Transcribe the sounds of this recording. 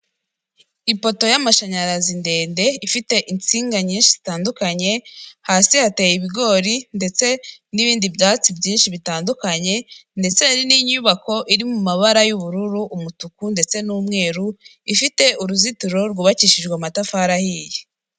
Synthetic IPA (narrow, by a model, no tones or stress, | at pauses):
ipo̞to̞jamaʃaɲaɾazinde̞ːnde̞ifite̞ʔint͡siːŋɡaɲiːnʃiz̥itaːndukaɲe̞haːsihate̞ːjiβiɡo̞ːɾinde̞t͡se̞niβiːndibɟaːt͡sibɟiːnʃiβitaːndukaɲe̞nde̞t͡se̞ɾiniɲuːβako̞ʔiɾimumaβaɾajuβuɾuɾuʔːmutukunde̞t͡se̞nuːmŋe̞ːɾu | ifite̞ʔuɾuzituɾo̞ɾɡuːβaciːʃid͡ʒɡwamatafaːɾahiːje